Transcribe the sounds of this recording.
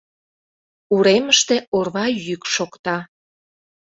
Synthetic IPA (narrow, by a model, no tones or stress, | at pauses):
uɾeməʃt̪eorβɑjykʃokt̪ɑ